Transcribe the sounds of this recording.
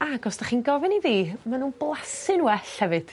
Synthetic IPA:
aɡɔsd̥aχiːnɡɔvɪniðiːmanuːnblˠasɨnwwɛɬhɛvɨd̥

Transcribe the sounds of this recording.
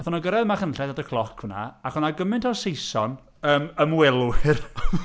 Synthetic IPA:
ɛθɔnɔɡəɾɛðmaχənɬɛðadəkʰlˠɔkʰhʊna̰aχʊnaɡəmɪntʰɔsejsɔn | əːməmwɛlˠwɪr

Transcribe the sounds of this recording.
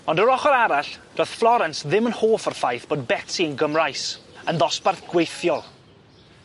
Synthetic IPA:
ɔndəɾɔχɔɾaɾaɬd̥ɔθflˠɔɾɛnsðɪmənhoːfɔrfajθb̥oːd̚bɛtsiənɡəmrajsənðɔsparθɡ̥wejθjɔlˠ

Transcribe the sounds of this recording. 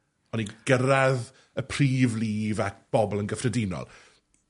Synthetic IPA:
ɔniɡ̥əɾað | əpʰr̥iːvliːvak̚b̥ɔbɔlˠənɡəfrədɪnɔ̰lˠ

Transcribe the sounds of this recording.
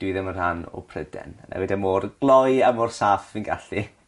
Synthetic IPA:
d̥wɨðəmər̥hanɔ̰pʰrədɛ̰nna̰wɛdɛmoːrɡ̥lˠɔjamɔrsaːfvɪnɡaɬi

